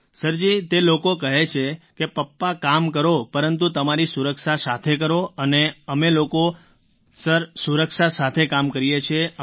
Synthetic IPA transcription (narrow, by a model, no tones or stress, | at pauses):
səɾd͡ʒit̪elokokəɦet͡ʃʰekepəpːakamkəɾopəɾənt̪ut̪əmaɾisuɾəkʃasat̪ʰekəɾoəneəmeloko | səɾsuɾəkʃasat̪ʰekamkəɾijet͡ʃʰe